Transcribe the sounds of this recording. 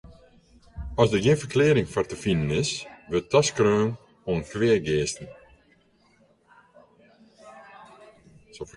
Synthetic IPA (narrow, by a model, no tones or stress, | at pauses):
ɔsdəɡɪːnfərkleːɾɪŋfɔrtəfindənɪsʋɪtɑskrøːn | oənkʋɪːəɡeːstn̩ | sof